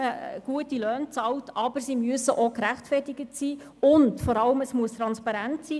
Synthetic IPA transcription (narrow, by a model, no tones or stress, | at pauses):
əɡ̥uətilœːnt͡sɑltɑb̥əɾsimyəsəʔokɾæχtfɛrtɪɡətsiː | ʊntfɔɾɑləməsmuəst̪ɾɑnspɑɾæntsiː